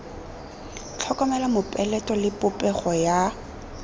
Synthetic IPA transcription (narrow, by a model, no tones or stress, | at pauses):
t͡ɬʰɔkʼɔmɛlamʊpʼɛlɛtʼɔlɪpʼʊpʼɛχɔja